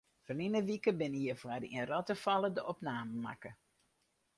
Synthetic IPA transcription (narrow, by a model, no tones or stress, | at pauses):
fɔrninəʋikəbɪnijəfwadḭnrɔtəfalˠədəʔɔpnaːməma̰kə